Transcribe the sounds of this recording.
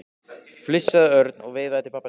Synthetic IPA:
flɪsːaðœɾt̪nɔɣveːðaðt̪ɪlpapːa

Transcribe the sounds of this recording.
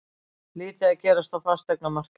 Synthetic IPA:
liːt̪ɪaðcɛːɾast̪awfast̪ɛknamar̥k

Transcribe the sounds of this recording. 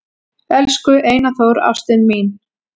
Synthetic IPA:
ɛlskʏʔeːjnaθoːwɾa̰fst̪ɪnmiːn

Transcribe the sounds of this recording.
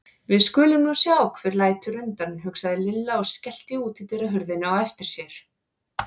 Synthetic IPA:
vɪðskʏːlɪmnusjaːwkfɪɾlaːjt̪ʏɾʏmt̪anɦʏksaðɪlɪlːaɔɣscɛl̥t̪ɪuːt̪ɪt̪eɾaɦʏɾðɪnawɛft̪ɪɾ̥sjɛɾ̥

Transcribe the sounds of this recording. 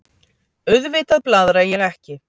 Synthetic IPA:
ʏðvɪːt̪aðplaðɾajɛɣɛhcɪ

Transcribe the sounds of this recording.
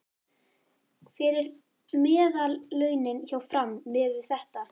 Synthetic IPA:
fɪɾɪɾ | mɛːðalːœːɥnɪnçawfɾamːɪvɪθɛht̪a

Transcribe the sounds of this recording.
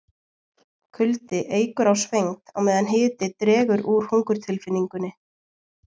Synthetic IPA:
kʰʏlt̪ɪʔeːjkʏɾawsvejŋt̪awmɛːðanɦeːt̪ɪt̪ɾɛːɣʏɾuɾ̥huŋkʏɾ̥t̪ʰɪlfɪnːiŋkʏnːɪ

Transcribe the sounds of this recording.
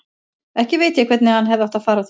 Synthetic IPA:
ɛhcɪveːjt̪ɪɛkʰvɛɾt̪nɪhanɦɛvðawht̪aðfaːɾaθ

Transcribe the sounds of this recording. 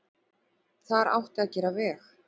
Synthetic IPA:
θaɾa̰wht̪acɛːɾavɛːx

